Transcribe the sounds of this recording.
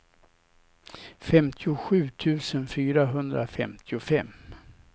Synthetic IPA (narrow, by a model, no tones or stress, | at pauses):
fɛmt̪ʰɪʊɧʉ̟ːt̪ʰʉ̟ːsənfyːɾaɦɵnd̪ɾafɛmt̪ʰɪʊfɛmː